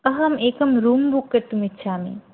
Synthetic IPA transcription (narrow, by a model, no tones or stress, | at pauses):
ɐɦɐmeːkɐmɾuːmbʊkːɐɾt̪umɪtːʃʰaːmḛ̃ː